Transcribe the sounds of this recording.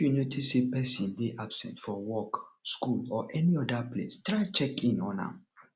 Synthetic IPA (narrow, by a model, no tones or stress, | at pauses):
junotʰisepɛsĩndeʔabsɛ̰̃ntfɔwɔkskulɔʔɛniɔdaplḛstɹaɪt͡ʃɛkĩnɔna̰